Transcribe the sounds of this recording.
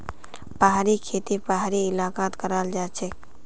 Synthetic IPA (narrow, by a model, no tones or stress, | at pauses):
paɦaɾikʰeːt̪ipaɦaɾiɪlaːkaːt̪kəɾaːld͡ʒaːt͡ʃʰek